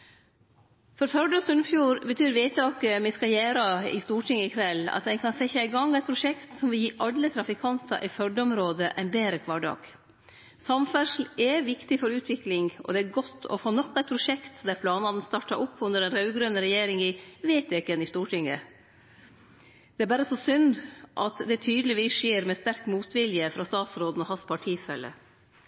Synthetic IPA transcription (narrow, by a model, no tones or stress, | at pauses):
fɔɾfœɖəsʉnfjuːɾbət̪ʰyːɾʋeɪt̪ɑːkəmɪskɑjæːɾɑɪ̰st̪uːʈʰɪŋːəɪkʰʋɛlːɑ̰t̪d̪ɛnkʰɑnsɛçɑæɪɡɑŋɛɪt̪pʰɾʊʂɛkt̪sɔmʋɪljiːʔɑlːət̪ʰɾɑfɪkʰɑnt̪ʰɑ̰ʔɪfœɖəɔmɾoːd̪əʔɛnbeːɾəkʰʋɑːɖɑ̰ːɡ̥ | sɑmfœʂl̩ɛʋɪkt̪ɪfɔɾʉːt̪ʰʋɪklɪŋɡɔ̰d̪ɛæɾɡɔt̪ʰːɔ̰foːnɔkːɛɪt̪pʰɾʊʂɛkt̪d̪æɾpʰlɑːnɑnn̩st̪ɑʈːɑʔʊpːʉnd̪əɖɛnɾɑʉɡɾønəɾɛjeːɾɪŋɪʋeːt̪ːɪkːɛnɪst̪uːʈʰɪŋːə̰ | d̪̥ɛæɾbæːɾəsɔsʏnd̪ʔɑ̰t̪d̪ɛt̪ʰyːd̪əlɪʋiːsʂeːɾmɛst̪æɾkmuːt̪ʋɪljəfɾɑst̪ɑːt̪sɾoːd̪n̩ɔhɑspʰɑʈʰiːsfœlːə̰